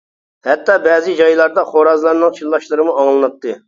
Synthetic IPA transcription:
hɛt̪ːɑbɛzɪd͡ʒɑjlˠɑɾd̪ɑχoɾɑzlˠɑɾnɨŋt͡ʃʰilːˠɑʃlˠɨɾɨmuɑŋlˠɨnɨt̪ʰːɨ

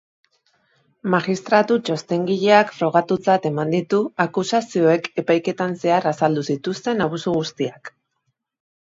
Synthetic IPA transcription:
maɣist̪ɾat̪ut͡ʃost̪e̞ŋɡiʎe̞akfɾo̞ɣ̞at̪ut͡sat̪e̞mand̪it̪uakusasio̞e̞ke̞pajke̞t̪anse̞arasald̪usit̪ust̪e̞naβ̞usuɣust̪iak

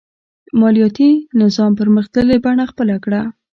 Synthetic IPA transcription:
mɑlijɑt̪inɪzɑmpəɾməxd̪əlebaɳaxpəlakɽa

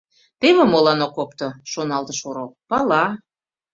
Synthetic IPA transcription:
t̪eβĕmolɑnokopt̪oʃonɑlt̪əʃoɾolpɑlɑ

